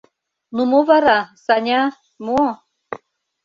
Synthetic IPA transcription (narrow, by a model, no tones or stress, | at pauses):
numovɑɾɑsɑnʲɑ | mo